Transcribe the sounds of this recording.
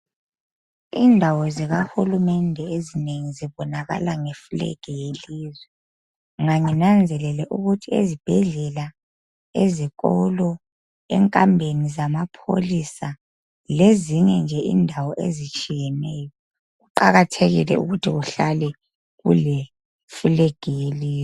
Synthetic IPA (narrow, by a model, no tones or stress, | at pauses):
indʱawɔziɣahulumɛndʱɛezineŋiziβɔnaɣa̰laŋefulḛɡ̥ʱɛjeliːzwɛ | ŋaŋinand͡zʱɛlɛlɛʔuɣutʰiḛzib̥ʱɛɮɛla | eziɣɔlɔ | ɛ̰ŋkʼambʱenizamapʰo̰lisa | leziŋɛnd͡ʒʱɛḭndʱawɔʔḛzit͡ʃʼijɛnɛːjɔ | ɣuǃaɣatʰeɣḭlɛ̰ṵɣutʰiɣuɬalɛ | ɣṵle | fulɛɡ̥ʱɛjeliːz